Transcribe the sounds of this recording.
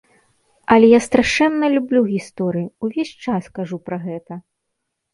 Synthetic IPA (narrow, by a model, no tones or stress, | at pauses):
ɐlʲɛjast̪ɾaʂɛnːɐlʲublʲuɣʲist̪ɔɾɨjiuvʲesʲt͡ʂaskaʐupɾɐɣɛt̪ɐ